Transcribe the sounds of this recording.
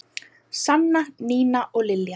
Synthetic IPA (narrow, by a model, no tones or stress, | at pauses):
sanːaniːnaʔɔɣlɪlja